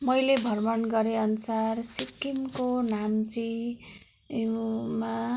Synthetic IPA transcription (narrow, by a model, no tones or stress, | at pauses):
mʌjlebʱʌrmʌnɡʌɾeʌnusarsikːimkonamt͡si | ma